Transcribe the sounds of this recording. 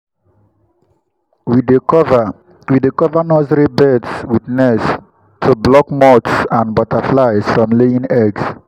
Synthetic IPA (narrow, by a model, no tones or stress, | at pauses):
widv | widikɔvənɔzɹibɛdswiðnɛs | tʰublɔkmɔtsãnbɔtʰəflaɪsfɹɔ̃mleĩŋɛɡs